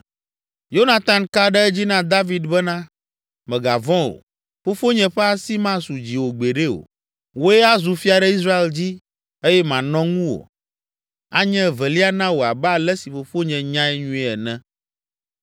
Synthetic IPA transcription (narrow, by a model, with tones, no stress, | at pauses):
jo˦nã˨t̪ã˨nka˦ɖɛ˦ɛ˦d͡ʑi˦nã˦d̪a˦vi˨d̪bɛ˦nã˦ | mɛ̃˨ɡa˨vɔ̃˦o̰˨ | fo˦fo˦ɲɛ̃˨ɸɛ˦a˦si˦mã˦su˨d͡ʑi˨wo˨ɡ͡be˨ɖe˦o̰˨ | wo˦ɛ˦a˦zu˨fi˦a˨ɖɛ˦i˦sɾa˦e˨ld͡ʑi˦ | e˦jɛ˦mã˨nɔ̃˦ŋũ˦wo̰˨ | a̰˦ɲɛ̃˦vɛ˨li˦a˦nã˦wo˨a˨ba˦˨lɛ˦si˨ɸo˨ɸo˦ɲɛ̃˨ɲã˦ɛ˦ɲũ˦ɛ˨ɛ˨nɛ̃˦